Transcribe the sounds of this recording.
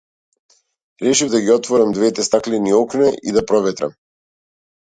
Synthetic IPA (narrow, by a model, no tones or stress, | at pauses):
ɾɛʃivd̪aɡiɔt̪vɔɾamd̪vɛt̪ɛst̪aklɛniɔknɛʔid̪apɾɔvɛt̪ɾa̰m